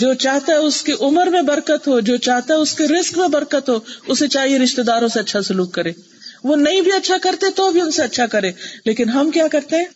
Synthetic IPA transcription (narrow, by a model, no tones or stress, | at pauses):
d͡ʒoːt͡ʃaːɦt̪aɦɛʊskeʔʊməɾmẽbɐɾkət̪ɦod͡ʒoːt͡ʃaːɦt̪aɦɛʊskeɾɪskmẽbɐɾkət̪ɦoːʊsːet͡ʃaːɦieɾɪʃt̪ed̪aːɾõseɐtːʃʰasʊluːkːɐɾẽː | ʋonɐɦĩbʱiɐtːʃʰakɐɾt̪eɛt̪obʱiʊnseɐtːʃʰakɐɾẽːleːkɪnɦɐmkjaːkɐɾt̪eɦɛ̃ː